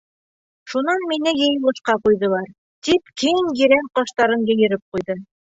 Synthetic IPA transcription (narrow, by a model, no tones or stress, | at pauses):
ʃunɑnminɘjɤ̆jɤ̆lˠɤ̆ʃqɑqujðɤ̆lˠɑɾ | t̪ipkiŋjĭɾæŋqɑʃt̪ɑɾɤɴjɘ̆jɘ̆ɾɘp̚qujðɤ